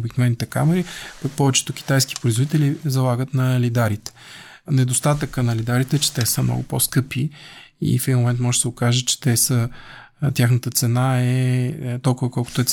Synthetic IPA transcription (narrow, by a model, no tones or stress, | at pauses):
biknovɛnːit̪ɛka̰mɛɾipɐk̚pɔvɛt͡ʃɛ̥t̪ʊk̟ʲi̥t̪ajsk̟ʲi̥pɾʊizvod̪it̪ɛlizɐlˠaɡət̪nɐlid̪aɾit̪ɛ̥ | nɛd̪ost̪at̪əkənɐlid̪aɾit̪ɛt͡ʃɛ̥t̪ɛsəmnɔ̰ɡʊ̰po̰skɤpi | ḭfɛd̪inmomɛnt̪mɔʒɛsɛokaʒət͡ʃɛ̥t̪ɛsə | t̪ʲjaxnət̪ət̪sɛnaɛt̪ɔlˠkʊvəkɔlˠkʊ̥t̪oɛ